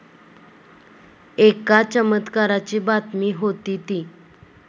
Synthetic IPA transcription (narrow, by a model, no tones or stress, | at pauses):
ekat͡ɕəmət̪kaɾat͡ɕiːbat̪miːɦot̪iːt̪iː